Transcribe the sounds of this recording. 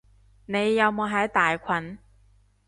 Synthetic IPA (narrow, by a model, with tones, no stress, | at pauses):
ne˨˧jːɐ˨˧wmoː˧ɦɐ˨˥jt̪aː˨jkʷʰwɐ˨˥n